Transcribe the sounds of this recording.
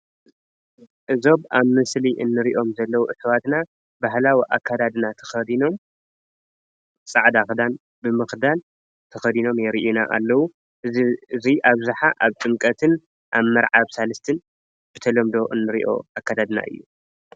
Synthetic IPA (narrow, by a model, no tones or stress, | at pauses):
ʔɨzo̞βaβmɨsliʔɨnːɨɾiʔo̞mzɐlːɐwuʔɨsɐwat̪na | baɦlawiʔakːad̪ad̪nat̪ʰɐ̥xɐd̪ino̞m | sʼaʕd̪axd̪an | bɨmɨxd̪al | t̪ʰɐxɐd̪ino̞mjɛɾiʔinaʔa̰lːɐwu | ɨziʔaβzaħaʔaβt͡s̪ʼɨmkʼɐt̪ʰɨn | ʔaβmɐɾʕaβsalɨst̪ʰɨn | bɨt̪ʰɐlɐmd̪o̞ʔɨ̰nːɨɾḭʔo̞̰akːad̪ad̪na̰ʔɨ̰jːu